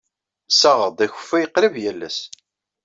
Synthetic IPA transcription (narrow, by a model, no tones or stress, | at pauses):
sæʁəd̪ˤæçʊ̥fːæjqɾəvjælːæ̰s